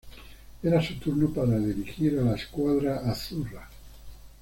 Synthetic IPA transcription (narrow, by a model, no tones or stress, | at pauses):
eɾasot̪uɾnopaɾaðiɾixiɾalaeskwaðɾaʔaθura